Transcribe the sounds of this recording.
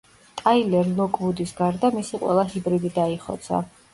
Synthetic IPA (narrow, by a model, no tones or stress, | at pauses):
t̪ʼailɛɾlˠɔkʼmud̪isɡaɾd̪amisiqʼwɛ̰lˠaɦibɾid̪id̪aiχɔ̰t̪sʰa̰